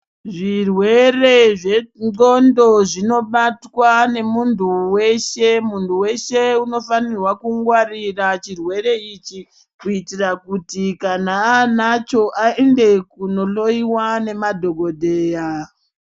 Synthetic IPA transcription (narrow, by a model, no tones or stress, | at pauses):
ʐirwe̞re̞ʐe̞ŋɡo̞ndo̞ʐino̞ɓatwane̞munduwe̞ʃe̞muntuwe̞ʃe̞uno̞fanirwakuŋɡwarirat͡ʃirwe̞ɾe̞it͡ʃi | kuitirakutikanaːnat͡ʃo̞ʔaende̞kuno̞lo̞iwane̞madʱo̞ɡʱo̞dʱeːja